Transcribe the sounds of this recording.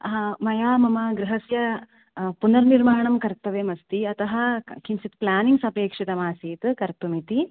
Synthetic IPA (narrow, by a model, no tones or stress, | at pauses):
mɐjaːmɐmɐɡɾiɦɐsjɐ | punɐɾniɾmaːɳɐmkɐɾt̪ɐʋeːmɐst̪iɐt̪ɐɦɐ̆kʰinsit̪plaːniŋsɐpeːkʂit̪ɐmaːsiːt̪kɐɾt̪umit̪i